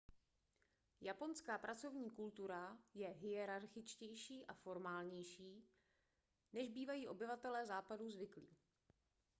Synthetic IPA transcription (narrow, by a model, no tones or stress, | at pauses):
japo̞nskaːpɾʔat͡so̞vɲiːkult̪uɾajɛɦɪjɛɾaɾxɪt͡ʃcɛjʃiːʔafo̞ɾmaːlɲɛjʃiː | nɛʒbiːvajiːʔo̞bɪvat̪ɛlɛːzaːpaduzvɪkliː